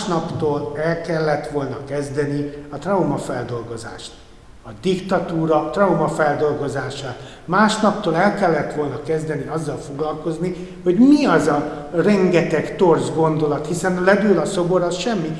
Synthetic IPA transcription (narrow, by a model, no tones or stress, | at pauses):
ʃnɒpt̪oːlɛlkɛlːɛt̪ʋo̞lnɒkɛzd̪ɛniɒt̪rɒumɒfɛld̪o̞lɡo̞za̰ːʃt̪ | ɒd̪ikt̪ɒt̪uːɾɒt̪rɒumɒfɛld̪o̞lɡo̞zaːʃaːt̪ | maːʃnɒpt̪oːlɛlkɛlːɛt̪ʋo̞lnɒkɛzd̪ɛniɒzːɒlfo̞ɡlɒlko̞zni | ho̞ɟmiɒzɒrɛŋɡɛt̪ɛkt̪o̞rzɡo̞nd̪o̞lɒt̪hisɛnlɛd̪ølɒso̞bo̞ɾɒsʃɛmːi